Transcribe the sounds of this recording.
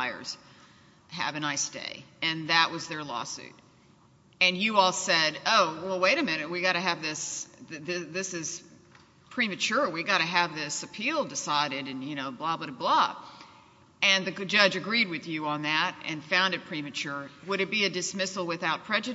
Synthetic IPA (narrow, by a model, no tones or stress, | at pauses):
ɪə̰˞z̥ | ɦɨ̰vɨ̃naɪstḛɪɨ̃nðɨʔ̚wʔʌzðə˞lɔ̰sʉ̰t̚ | ɨ̃njɨɔlˠsɛɾoʊwɛlˠweɪɾɨmɪ̃nɨt̚wiɡɑɾɨɨvðɪsððɪðɪsɨz̥ | pʰɹ̥imɨt͡ʃʰʊɹwiɡɑɾɨɨvðɪsɨpʰilˠdɨsaɪɾɨɾɨ̃njɨñoʊblɑblʌɾɨblɑ | ɨ̃nðɨd͡ʒʌd͡ʒɨɡɹid̚wɨðjɨə̃nðɨɾɨ̰̃nfãʊ̃ndɨt̚pʰɹ̥imɨt͡ʃʰʊɹwəɾɨt̚b̥iɨdɨsmɪsl̩ˠwɨθaʊt̚pʰɹ̥ɛd͡ʒɨɾ